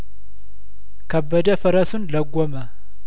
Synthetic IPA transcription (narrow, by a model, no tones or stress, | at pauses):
kʰəbːəd̪əfəɾəsunləɡʷːomə